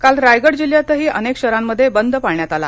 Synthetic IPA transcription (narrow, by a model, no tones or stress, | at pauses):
kalɾajɡəɽd͡ʑiljat̪əɦiːʔənekɕəɾamːəd̪ʱːjebənd̪ʱpaɭɳjat̪ala̰